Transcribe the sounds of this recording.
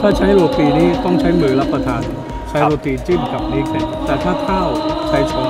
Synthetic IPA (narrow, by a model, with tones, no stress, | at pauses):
t̪ʰaː˥˩t͡ɕʰa˦˥jɾoː˧piː˧niː˦˥t̪ɔ˥˩ŋt͡ɕʰa˦˥jmɯː˧ɾa˦˥pːɾa˧t̪ʰaː˧n | t͡ɕʰa˦˥woː˧p̪iː˧˩t͡ɕi˥˩mka˨˩p̚niː˦˥k̚sa˧˩t̪ɛː˨˩t̪ʰaː˥˩k̪ʰaː˥˩wkʰa˧˩jsʰɔː˨˩˦